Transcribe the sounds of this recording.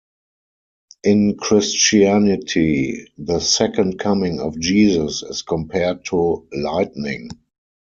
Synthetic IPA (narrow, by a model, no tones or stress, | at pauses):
ʔɪ̃nkʰɹɪst͡ʃiænɪtʰiðəsɛkə̃nt̚kʰamɪ̃ŋɔ̰fd͡ʒiːzəsɪ̰skʰɔ̃mpʰɛəd̚tʰulaɪtnɪ̰̃ŋ